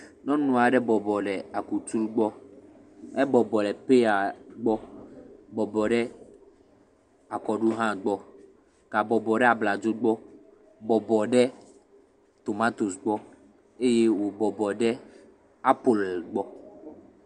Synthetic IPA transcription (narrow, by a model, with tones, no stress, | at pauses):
nɔ̃˦nũ˨a˨ɖɛ˦bɔ˨bɔ˨ɖɛ˨a˨ku˨t̪u˦lɡ͡bɔ˦ | ɛ˦bɔ˨bɔ˨lɛ˨pe˦a˨ɡ͡bɔ˦ | bɔ˨bɔ˨ɖɛ˦ | a˨kɔ˨ɖu˦ɦã˦ɡ͡bɔ˦ | ka˨bɔ˨bɔ˨ɖɛ˦a˨bla˨d͡ʒo˦ɡ͡bɔ˦ | bɔ˨bɔ˨ɖɛ˦ | t̪o˨ma˦t̪o˨sɡ͡bɔ˦ | e˦je˦wo˨bɔ˨bɔ˨ɖɛ˦ | a˦po˦˨lo˨sɡ͡bɔ˦